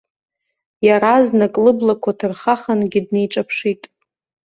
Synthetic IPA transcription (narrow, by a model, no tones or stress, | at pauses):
jaɾaznakʼlɨblakʷʰatʰɨrχaχanɡʲɪdne̞jʈ͡ʂʼapʰʂitʼ